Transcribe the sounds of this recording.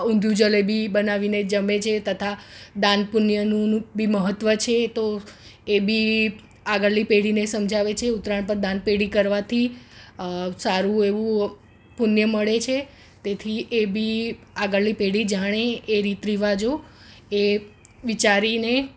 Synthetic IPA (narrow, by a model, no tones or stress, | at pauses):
ũnd̪ʱjud͡ʒəlebʱibənaʋined͡ʒəmet͡ʃʰet̪ət̪ʰad̪ãnpunjənũbiməɦət̪ʋət͡ʃʰet̪oebʱi | aɡəɭlipeɽinesəmd͡ʒʱaʋet͡ʃʰeut̪ɾaɳ̃pəɾd̪ãnpeɽikəɾʋat̪ʰi | saɾueʋũ | punjəməɭet͡ʃʰe | t̪et̪ʰiebʱi | aɡəɭlipeɽid͡ʒaɽ̃eːɾit̪ɾiʋad͡ʒo | e | ʋit͡ʃaɾine